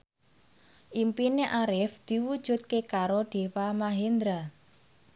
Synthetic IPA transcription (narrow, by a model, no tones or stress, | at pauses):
ʔimpineʔaɾɪfd̪̥i̤wud̥ʒ̥ṳt̪̚kekaɾoɖ̪̥e̤wamaɦend̪ɾa